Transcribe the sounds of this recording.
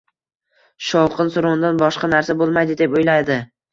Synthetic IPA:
ʃɒwqʰɨnsʊɾʊnd̪anbɒʃqɑnaɾsabolˠmajd̪ɪd̪e̞pojlajd̪ɪ

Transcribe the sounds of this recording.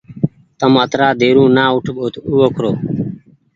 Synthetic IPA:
t̪əmət̪ɾaːd̪eːɾũːnaːʊʈʰɓoːt̪uːokʰɾoː

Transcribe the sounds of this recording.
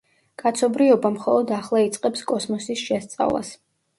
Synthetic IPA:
kʼat̪sʰɔbɾiɔbamχɔlˠɔd̪aχlˠait̪sʼqʼɛpskʼɔsmɔsisʃɛst̪sʼa̰vlˠa̰s

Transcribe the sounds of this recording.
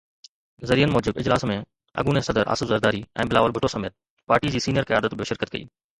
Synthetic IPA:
zɐɾiːənmɔːd͡ʑɪbɪd͡ʑlaːsmẽ | ɐ̰ɡuːnesɐd̪əɾʔa̰ːsɪfzəɾd̪aːɾiɛ̰̃ːbɪla̰ːʋəlbʱʊʈʰosɐmeːt̪̚ | paːɾʈid͡ʑiːsiːnɪjəɾkɐja̰ːd̪ət̪bʱijoːʃɪɾkət̪̚kɐḭː

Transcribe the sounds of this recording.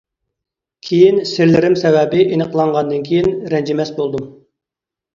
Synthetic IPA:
kʲʰejinsɪɾlɪɾɪmsɛvɛbɪʔenəqʰəlˠɑɴʁɑnd̪ɨnkʲʰejinɾɛnd͡ʒɪmɛsbolˠd̪um

